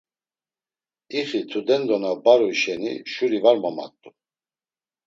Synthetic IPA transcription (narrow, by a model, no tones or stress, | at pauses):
iχit̪ʰud̪ɛnd̪ɔnabaɾuiʃɛnḭʃuɾivaɾmama̰t̪ʼːu